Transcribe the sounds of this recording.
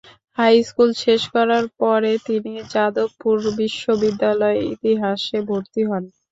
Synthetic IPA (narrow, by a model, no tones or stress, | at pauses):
hajskulʃeʃkɔɾaɾpɔɾet̪inid͡ʑad̪ouɾbiʃːobid̪ːalɔeḭt̪iɦaʃebʱoɾt̪iɦɔn